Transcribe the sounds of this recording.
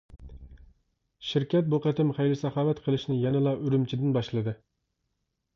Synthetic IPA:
ʃiɾkʲɛt̪̚boqət̪ʰɪmχæjlɪsɑχɑːwɛt̪qʰəlˠɨʃnɪjɛnɨlˠɑʔyɾymt͡ʃʰid̪ɪnbɑʃlˠɨd̪ɨ

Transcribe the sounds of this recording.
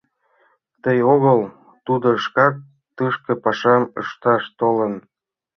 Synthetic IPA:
t̪əjoɣəl | t̪ud̪oʃkɑt̪ː | ɯʃkɤ̆pɑʃɑməʃt̪ɑʃt̪olə̆n

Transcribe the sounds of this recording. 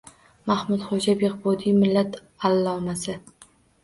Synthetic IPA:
mahmʊd̪χod͡ʒabeqbɒd̪ijmɪlːat̪ | alːɒmasɪ

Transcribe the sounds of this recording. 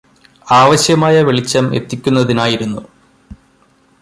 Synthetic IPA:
aːʋɐɕjɐmaːjɐʋeɭit͡ɕːɐme̞̰t̪ːikʲːunːɐðinaːjiɾunːu

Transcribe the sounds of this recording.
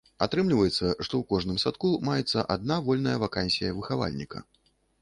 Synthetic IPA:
at̪ɾɨmlʲivɐjɛt̪sːɐʂt̪ɔwkɔʐnɨmsat̪kumajɛt̪sːɐʔad̪̚navɔlʲnɐjɐvakanʲsʲijɐvɨxava̰lʲnʲikɐ̰

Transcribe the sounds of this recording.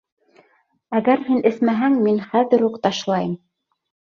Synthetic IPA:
æɣæɾhinɘ̆smæɦæŋminχæðɘɾhuqt̪ɑʃlˠɑjɤm

